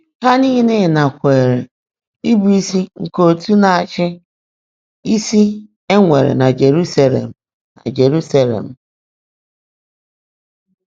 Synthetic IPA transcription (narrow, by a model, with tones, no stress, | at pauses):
ka˦ni˦ɦi˦ne˦˨na˨kʷe˨ɾe˨ | i˦bu˨i˦si˦ŋ̩˨ko˨tu˦na˨a˨t͡ʃɪ˦ | i˦si˦ | e˦ŋʷe˨ɾḛ˨na˨d͡ʒe˨ɾu˦sa˦lḛ˨m̩˨ | na̰˨d͡ʒe˨ɾu˦sa˦lḛ˨m̩˨